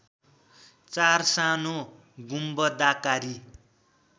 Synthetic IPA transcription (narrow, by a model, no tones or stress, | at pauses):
t͡sarsano | ɡumbʌd̪akaɾi